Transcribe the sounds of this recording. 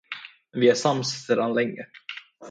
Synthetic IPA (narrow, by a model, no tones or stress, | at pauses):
vɪæʂamssəd̪anlɛŋːə